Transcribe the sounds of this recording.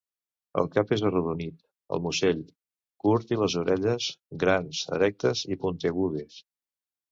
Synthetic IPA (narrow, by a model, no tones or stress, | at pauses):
ə̰lˠkapezəruðunit̪ | ə̰lˠmuseʎ | kuɾt̪iləzuɾɛʎəzɡɾanzə̰ɾɛk̚t̪əzipunt̪əɣuðes